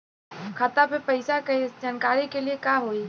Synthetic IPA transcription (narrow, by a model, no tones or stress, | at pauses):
kʰat̪apepɐɪsaked͡ʒaːnkaːɾikeliekaɦoi